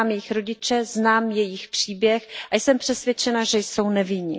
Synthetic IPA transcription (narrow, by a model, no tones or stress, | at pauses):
amjɛjɪxɾo̞ɟɪt͡ʃɛznaːmjɛjɪxpr̝̥iːbjɛxʔajsɛmpr̝̥ɛsvjɛt͡ʃɛnaʒɛjsownɛvɪɲɪ̰